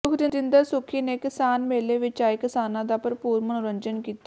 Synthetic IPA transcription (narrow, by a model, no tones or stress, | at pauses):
ʊkʰɾɪd̪ɪnd̪əɾsʊkʰiːneːkɪsaːnmeːleːʋɪt͡ʃaːikɪsaːnãːd̪aːpəɾpuːɾmənʊɾəɲd͡ʒənkiːt̪ː